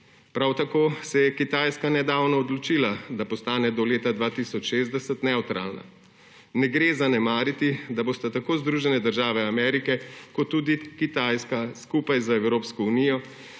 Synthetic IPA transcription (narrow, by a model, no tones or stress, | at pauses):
pɾawt̪akoːsɛjɛkit̪aːjskanɛd̪aːwnɔːd̪lɔt͡ʃiːlad̪apɔst̪aːnɛd̪ɔleːt̪ad̪ʋaːt̪isɔt͡ʃʃeːzd̪ɛsɛt̪nɛut̪ɾa̰ːlna̰ | nɛɡɾeːzanɛmaːɾit̪id̪aboːst̪at̪akoːzd̪ɾuʒɛnɛd̪əɾʒaːʋɛamɛːɾikɛkɔt̪ːuːd̪ikit̪aːjskaskuːpajzaɛwɾoːpskɔunijɔ